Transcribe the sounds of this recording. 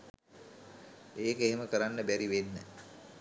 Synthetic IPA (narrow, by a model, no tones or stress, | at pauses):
eːkəeɦeməkəɾanːəbæɾiʋenːə̰